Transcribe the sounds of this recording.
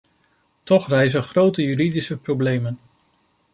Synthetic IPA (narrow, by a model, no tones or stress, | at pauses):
tɔχrɛjzənχrowtəjyɾidisəprowblejmən